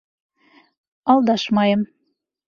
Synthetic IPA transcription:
ɑlˠd̪ɑʃmɑjɤ̆m

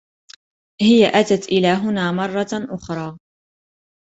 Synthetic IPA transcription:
hɪjaʔat̪at̪ʔɪlaːɦʊnaːmɑrˤːɑʔʊxɾˤɑː

